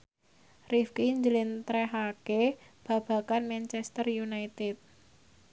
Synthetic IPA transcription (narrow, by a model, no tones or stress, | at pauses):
rifkiɲd͡ʒəlɪnt̪ɾɛɦakeb̥ä̤b̥a̤kanmɛnt͡ʃɛst̪ərjunajt̪ɪt̪̚